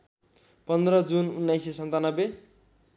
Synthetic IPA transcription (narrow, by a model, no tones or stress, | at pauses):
pʌnd̪rʌd͡zununːajsesʌnt̪anʌbe